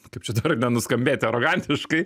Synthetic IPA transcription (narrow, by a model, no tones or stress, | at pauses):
kɐɪpt͡ʃʲɛd̪ɐrnʲɛnʊskɐmʲbʲeːt̪ʲɐɾoɡɑnʲt̪ʲɪʃkɐɪ